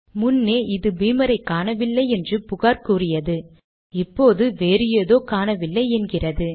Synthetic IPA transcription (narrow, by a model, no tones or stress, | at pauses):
mʊnːeːʔɪðɯbiːmɐɾɐɪkːaːnɐʋɪlːɐɪɛndrɯpʊɣaːɾkuːrɪjɐðɯ | ɪpːoːðɯʋeːɾɪjeːðoːkaːnɐʋɪlːɐɪɛnɡɪrɐðɯ